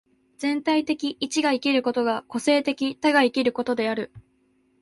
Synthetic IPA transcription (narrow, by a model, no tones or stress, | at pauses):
d͡zẽ̞nt̪ait̪e̞kʲiʔːt͡ɕiɡaikʲiɾɯ̟ko̞t̪o̞ɡako̞se̞ːt̪e̞kʲit̪aɡaikʲiɾɯ̟ko̞t̪o̞d̪e̞aɾɯ̟